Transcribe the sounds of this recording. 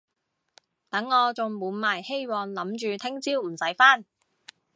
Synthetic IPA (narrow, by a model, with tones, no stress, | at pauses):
t̪ɐ˨˥ŋːɔː˨˧t͡sʊ˨ŋmuː˨˧˥nmaː˨˩jhe˥jwɔː˨˧nlɐ˨˥mt͡ʃyː˨˧t̪ʰɪ˥ŋt͡siː˥wm̩˨˩sɐ˨˥jfaː˥n